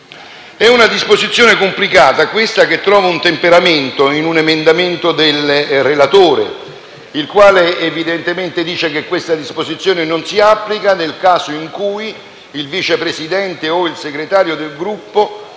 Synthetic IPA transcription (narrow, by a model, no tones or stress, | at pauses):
ɛunad̪ispozit̪sːjoːnekomplikaːt̪akwest̪aket̪ːɾɔːvaunt̪empeɾament̪oinunemend̪ament̪od̪elrelat̪oːɾḛ | ilkwaːleːvid̪ent̪ement̪ed̪iːt͡ʃekekːwest̪ad̪ispozit̪sːjoːnenonsiapːlikanelkaːzoiŋkuːj | ilviːt͡ʃepɾesid̪ɛnt̪eoilseɡɾet̪aːɾjod̪elɡɾupːo